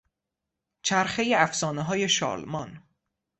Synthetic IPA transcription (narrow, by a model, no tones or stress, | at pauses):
t͡ʃʰæɾxe̞jeæfsɒːneɦɒːje̞ʃɒ̰ːlmɒn